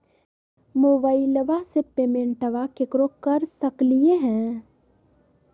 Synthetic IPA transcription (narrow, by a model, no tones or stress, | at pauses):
moːbaːiləʋasepeːmẽɳʈəʋakekɾokɐɾsɐklieɦɛ̃ː